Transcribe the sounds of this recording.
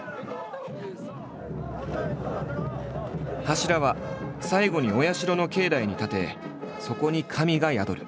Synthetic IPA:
haɕiɾaβasaiɡo̞ɲ̟io̞jaɕiɾo̞no̞ke̞ːd̪aiɲ̟it̪at̪e̞ | so̞ko̞ɲ̟ikʰamʲiɡajad̪o̞̰ɾɯ̟̰

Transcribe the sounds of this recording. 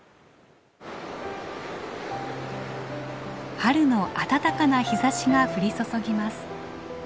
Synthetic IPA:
haɾɯ̟no̞ʔat̪at̪akanaçizaɕiɡaɸɯ̟ɾʲiso̞so̞ɡʲimasɨ̥

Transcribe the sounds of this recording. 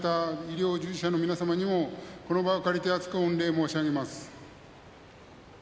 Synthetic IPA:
t̪aiɾʲjo̞ːd͡ʑɨiɕano̞mʲinasamaɲ̟imo̞ko̞no̞baokaɾʲit̪e̞at͡sɨ̥kɯõnɾe̞ːmoːɕinaɡemasɨ̥

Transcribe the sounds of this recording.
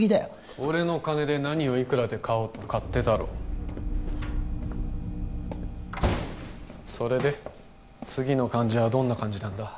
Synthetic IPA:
id̪e | oɾe̞no̞kane̞d̪e̞naɲ̟io̞ikɯ̟ɾad̪e̞kʰaoːt̪o̞kat̪ːe̞t̪aɾo̰ː | so̞ɾe̞d̪e̞ | t͡sɨɡʲino̞kãɲ̟d͡ʑiβad̪õ̞nːakãɲ̟d͡ʑinãnd̪a

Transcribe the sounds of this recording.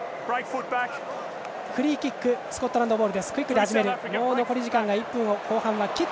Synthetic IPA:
b̥ɹeɪkfʊt̚b̥ak | kɯ̟ɾʲiːkʲikːɯ̟sɨ̥kot̪ːo̞ɾãnd̪o̞boːɾɯ̟d̪e̞sɨ̥kɯ̟ɾʲikːɯd̪e̞haʑidme̞ɾɯ̟moːno̞ko̞ɾʲiʑikãŋɡaipːɯ̟̃ŋokʰo̞ːhãβakʲi

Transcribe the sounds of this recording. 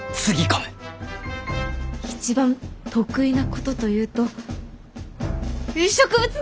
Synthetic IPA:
t͡sɨɡʲikome̥ | it͡ɕibãnt̪o̞kɯ̟inako̞t̪o̞t̪o̞jɯ̟ːt̪o̞ | ɯɕokɯbɯt͡sɨ

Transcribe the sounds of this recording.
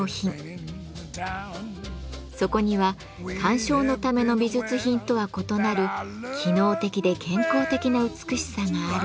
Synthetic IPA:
çĩ | so̞ko̞ɲ̟iβa | kʰãɰ̃ɕo̞ːno̞t̪ame̞no̞bʲiʑɨt͡sɨçĩnt̪o̞βako̞t̪o̞naɾɯ̟kʲʰino̞ːt̪e̞kʲid̪e̞kẽ̞ŋko̞ːt̪e̞kʲinaɯ̟t͡sɨ̥kɯ̟ɕi̥saŋaːɾɯ

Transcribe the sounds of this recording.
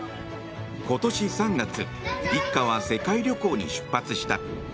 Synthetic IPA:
ko̞t̪o̞ɕisãŋɡat͡sɨ | ikːaβ̞ase̞kaiɾʲo̞ko̞ːɲ̟ḭɕɨ̥pːat͡sɨɕi̥t̪a̰

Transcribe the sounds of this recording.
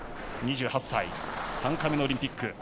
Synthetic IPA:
ɲ̟iʑɨːhasːaisãŋkaminooɾʲĩmpʲikːɯ

